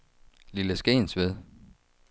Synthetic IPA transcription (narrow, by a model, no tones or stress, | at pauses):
liləsɡ̥ḛːnsʋeðˠ